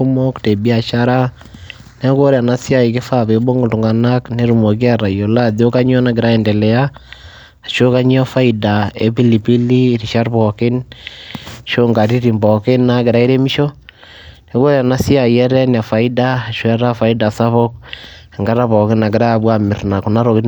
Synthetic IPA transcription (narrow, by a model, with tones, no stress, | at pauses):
u˦mo˦kte˨bi˦a˨ʃaɾa˦ | ne˦ko˦ɾe˨a˨nasja˦i˨ke˦fa˦˨βe˨bo˦ŋɡo˨tu˨ŋɡa˨na˦kne˦ɾu˨mo˨ki˦a˦ɾa˨jo˨la˦ðo˦ka˦ɲɔ˦na˨kɪ˨ɾa˦e˨ndɛ˨lɛ˨a˦ | a˨ʃo˦ka˦ɲ˦ɔ˦fa˦ida˨e˦pi˦li˨pi˦li˦ɾiʃa˦rβɔke˦n | ʃo˦ŋɡa˨ɾi˦ɾi˨mbɔ˨ke˦nːa˦ke˨ɾa˨˦i˦ɾe˦mi˦ʃɔ˦ | ne˦ko˦ɾea˨na˦si˦a˨iɛ˦ɾɛ˦nia˨fa˨ida˦a˨ʃo˦ɛ˦ɾa˦fa˨ida˨sa˦βɔ˦k | a˨ŋɡa˦ɾa˦βɔ˨ke˦na˨ke˨ɾa˦βwa˦me˨ɾna˨ko˨na˦ɾo˨k